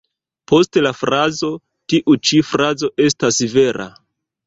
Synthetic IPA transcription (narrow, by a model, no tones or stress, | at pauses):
pʰo̞stelafɾazo̞ | tiʔut͡ʃifɾazo̞ʔe̞stasive̞ɾʔa̰